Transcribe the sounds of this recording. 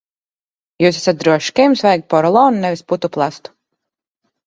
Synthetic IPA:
juːs̬æsat̪̚d̪ɾuɔʃkɛjmsvajk̪̚pɔɾɔlˠɔːnnɛvisput̪uplˠast̪u̥

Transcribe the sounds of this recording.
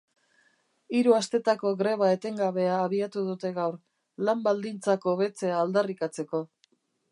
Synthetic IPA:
iɾuast̪e̞t̪ako̞ɣɾe̞β̞ae̞t̪e̞ŋɡaβe̞aːβiat̪uð̞ut̪e̞ɣawɾ | lambald̪int͡sako̞βe̞t͡se̞aːld̪arikat͡se̞ko̞

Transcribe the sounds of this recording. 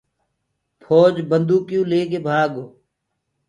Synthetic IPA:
pʰoːd͡ʒbənd̪uːkjũːleːɡeːbʱaːɡoː

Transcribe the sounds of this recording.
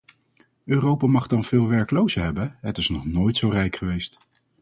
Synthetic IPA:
øːrowpaːmɑχdɑnv̥ɪːlˠʋɛɹkəlowzəɦɛbənɦətɪsnɔχnoːjtsowrɛjkχəʋejst

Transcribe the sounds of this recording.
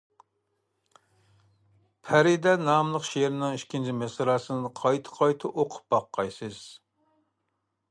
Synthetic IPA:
pʰæɾɪd̪ɛnɑmlˠəqʃeɾnɪŋiʃkʲʰint͡ʃʰimesɨɾɑːsɨnɨqʰɑjt̪ʰɨ̥qʰɑjt̪ʰɨʔoqʰʊ̥p̚bɑqːɑjsɨz̥

